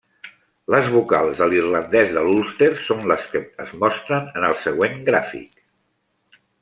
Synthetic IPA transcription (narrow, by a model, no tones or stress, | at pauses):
ləzβuka̰lˠzəlirlənd̪ɛzðəlulˠst̪eɾsonləskəəzmɔst̪ɾənənəlˠsəɣweŋɡɾafḭk